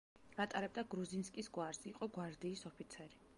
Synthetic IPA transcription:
ɡat̪ʼaɾɛb̚d̪aɡɾuzinskʼisɡwaɾsiqʼɔɡwaɾd̪iːsɔpʰit̪sʰɛɾi

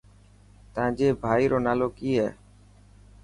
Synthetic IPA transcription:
t̪ãːd͡ʒeːbʱaːiːɾʔoːnaːloːkiːɦɛː

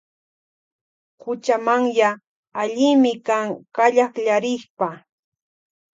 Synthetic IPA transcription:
hʊt͡ʃamaŋjaː | ʎɪmɪkaŋkaʎaχʎaɾɪχpa

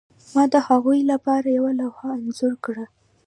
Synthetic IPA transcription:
mɑd̪əhaɣujlapɑɾajawalawhaːnzuɾkɽa

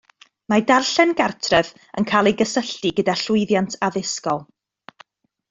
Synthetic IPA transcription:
madarɬɛnɡartʰrɛv | ənkʰaːlˠejɡəsəɬtiɡədaɬʊɨðjantʰaðɪskɔlˠ

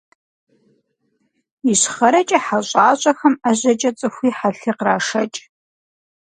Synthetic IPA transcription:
iɕχɐɾɐt͡ʃʼɐħaɕʼaːɕʼɐxɐmaʑɐt͡ʃʼɐt͡sʼɨxʷiːħaɬiːqraːʂɐt͡ʃʼ

